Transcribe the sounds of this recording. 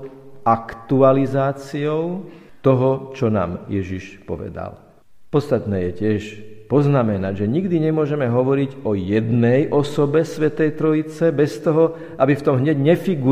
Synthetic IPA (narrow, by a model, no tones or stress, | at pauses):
akt̪ualizaːt͡siɔʊt̪ɔɦɔt͡ʃɔna̰ːmjɛʒiʃpɔʋɛ̰d̪a̰l | pɔt̪st̪at̪nɛːjɛcɪɛʃpɔznamɛnaɟʒɛɲiɡd̪iɲɛmʊɔʒɛmɛɦɔʋɔɾiɟɔjɛd̪nɛjʔɔsɔbɛsʋɛt̪ɛjt̪ɾɔit͡sɛbɛst̪ɔɦɔ | ʔabift̪ɔmɦɲɛɟɲɛfiɡu